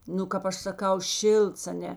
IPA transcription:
ˈnʊ kɐp ˈɐʃ sɐˈkɐʊ ˈʃʲɪlˠts ɐˈnʲɛ

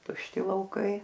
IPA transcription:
tʊʃʲˈtʲɪ lˠɐʊˈkɐɪ

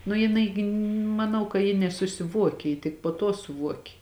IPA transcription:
nʊ jɪˈnɐɪ ɡʲɪ mɐˈnɐʊ kɐ jɪ nʲɛsʊsʲɪˈʋuɔkʲeː jɪ tʲɪk poː tuɔ sʊˈʋuɔkʲeː

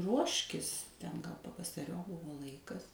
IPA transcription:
ˈruɔʃʲkʲɪs tʲɛn ɡɐlˠ pɐʋɐsɐˈrʲoːp ˈbʊʋoː ˈlˠɐɪkɐs

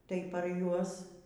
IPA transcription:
tɐɪ pɐr ˈjuɔs

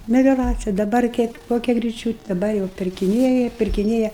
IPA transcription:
mʲɛlʲoːˈrɑːt͡sʲɪjɛ dɐˈbɐr kʲiɛk ˈkoːkʲɛ ɡrʲɪˈt͡ʃʲuːtʲɛ dɐˈbɐr jɛʊ pʲɪrʲkʲɪˈnʲeːjɛ pʲɪrʲkʲɪˈnʲeːjɛ

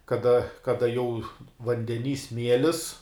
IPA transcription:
kɐˈdɐ kɐˈdɐ jɛʊ ʋɐnʲdʲɛˈnʲiː ˈsʲmʲiɛlʲɪs

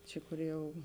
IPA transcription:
ˈt͡ʃʲɪ koːr ˈjɛʊ

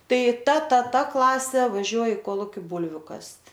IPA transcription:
ˈtɐɪ ˈtɐ ˈtɐ ˈtɐ ˈklˠɑːsʲeː ʋɐˈʒʲuɔj ɪ ˈkoːlˠʊkʲɪ ˈbuːlʲʋʲʊ ˈkɐsʲtʲ

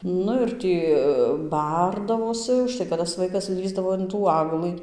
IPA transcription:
ˈnʊ ɪr ˈtʲiː ˈbɐrdɐʋoːsʲɪ ʊʃˈtɐɪ kɐt tɐs ˈʋɐɪkɐs ˈlʲiːzdɐʋoː ɪn tuː ˈɑːɡlˠɨ

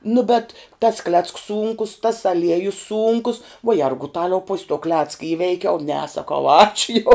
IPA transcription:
nʊ bʲɛt tɐs klʲɛt͡sks ˈsuːŋkʊs tɐs ɐˈlʲiɛjʊs ˈsuːŋkʊs ʋuɔ ˈjɛrɡʊtɐlʲɛʊ pʊsʲ toː ˈklʲæːt͡skɐ ˈiːʋʲɛɪkʲɛʊ nʲɛ sɐˈkɐʊ ˈɑːt͡ʃʲʊ jɛʊ

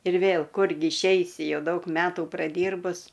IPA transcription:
ɪr ˈʋʲeːlˠ ˈkʊrʲɡʲɪ ɪʃʲˈɛɪsʲɪ ˈjɛʊ ˈdɐʊk ˈmʲæːtuː prɐˈdʲiːrbʊs

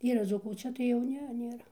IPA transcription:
ˈiːrɐ ˈd͡zuːkuː oː ˈt͡ʃʲɛ tɐɪ jɛʊ ˈnʲɛ nʲeːˈrɐ

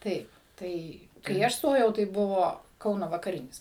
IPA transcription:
ˈtɐɪp ˈtɐɪ kɐɪ ˈɐʃ ˈstoːjɛʊ tɐɪ ˈbʊʋoː ˈkɐʊnoː ʋɐkɐˈrʲɪnʲɪs

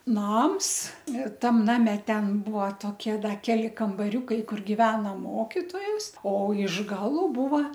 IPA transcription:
ˈnɐms ˈtɐm ˈnɑːmʲɛ ˈtʲɛn ˈbuɔ ˈtoːkʲiɛ ˈdɐr ˈkʲæːlʲɪ kɐmbɐˈrʲuːkɐɪ ˈkʊr ɡʲɪˈʋʲæːnɐ ˈmoːkʲɪtoːjɛs oː ɪʃ ˈɡɑːlˠʊ ˈbuːʋɐ

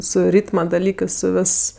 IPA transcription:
sʊ ˈrʲiːtmɐ dɐˈlʲiːkɜs sʊ ˈʋʲɪs

